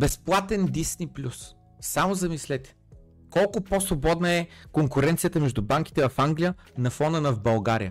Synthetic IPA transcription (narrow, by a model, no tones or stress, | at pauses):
bɛsplˠat̪ɛnd̪isniplʲusː | amʊzɐmislɛt̪ɛ̥ | kɔlˠkʊposvobɔd̪nəɛkoŋkʊɾɛnt̪sijət̪əmɛʒd̪ʊbaŋki̥t̪ɛvɐfaŋɡlijə | nɐfɔnənɐvbɐlˠɡaɾijə